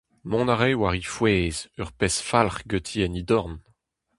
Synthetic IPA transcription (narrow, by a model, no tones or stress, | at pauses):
mɔ̃naʁewaʁifweːzœʁpɛsfalχɡøt̪ʰiɛnid̪ɔʁn